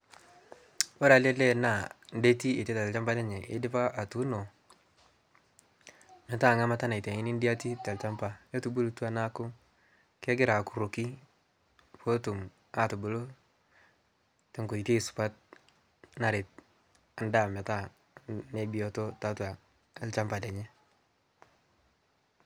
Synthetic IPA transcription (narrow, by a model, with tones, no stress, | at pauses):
wo˦ɾa˨le˦le˦na˨n˦de˦ti˦i˨te˦ta˨t͡ʃa˦mpa˦ne˦ɲe˨ʔɪ̰˦dɪ˦pa˦ʔa˨tu˦no˨ | mɛ˨ta˦˨ŋa˦ma˦ta˦na˨i˨te˨i˦ni˦ndi˦a˦ti˦te˨lt͡ʃa˦mpa˦jo˦tu˨bu˦ltu˦a˨na˦kʊ˦ | ke˦ɡɪ˦ɾa˨ku˨ɾo˨ki˦ | fo˦tu˨m | a˨tu˨bu˨lo˦ | te˨ŋko˨i˨te˦˨su̥˨pa˦t̚ | na˨ɾe˨t̚ | a˨nda˦˨mɛ˨ta˦ | ne˦bi˨jo˨to˦ta˨˦tua˨˦ | lt͡ʃa˦mpa˨dɛ˨ɲɛ˦